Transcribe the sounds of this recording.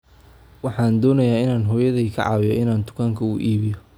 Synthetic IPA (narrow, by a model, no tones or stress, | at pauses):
wɑħɑːnd̪ɔːnɐjaːɪnaːnɦɔːjɐðijkʰɐ̰ʕɑ̰ːwɪjɔʔɪnaːnd̪ʊ̥kʰaŋkʰɐʊːʔiːβɪjɔ